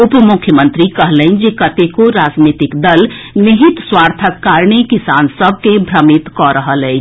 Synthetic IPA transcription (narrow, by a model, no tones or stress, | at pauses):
upmʊkʰjəmə̃nt̪ɾikəɦləɪnd͡ʒekət̪ekoɾad͡ʒnit̪ikd̪əlniɦit̪swaɾt̪ʰəkːaɾnekisansəb̚ʱkebʱɾəmit̪kɔɾəɦəlɛɪt͡ʃ